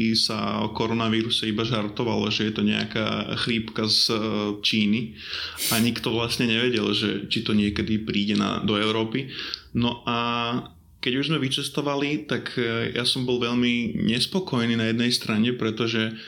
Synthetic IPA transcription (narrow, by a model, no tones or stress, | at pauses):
sa̰ɔ̰kɔɾɔnaʋiːɾusɛibaʒaɾt̪ɔʋalɔ̰ʒɛjɛt̪ɔɲɛ̰a̰ka̰ːxliːpkazt͡ʃiːni | ʔaɲikt̪ɔʋlasɲɛɲɛʋɛɟɛlʒɛ̰t͡ʃit̪ɔɲɪɛkɛd̪ipɾiːɟɛna̰d̪ɔɛʊɾɔːpinɔʔa | kɛɟuʒzmɛʋit͡ʃɛst̪ɔʋalit̪akja̰sɔmbɔlʋɛʎmiɲɛspɔkɔjniːnajɛd̪nɛjst̪ɾaɲɛpɾɛt̪ɔʒɛ